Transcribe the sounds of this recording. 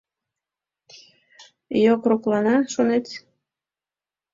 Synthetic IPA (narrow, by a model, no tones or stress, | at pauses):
jokroklɑnɑʃonet̪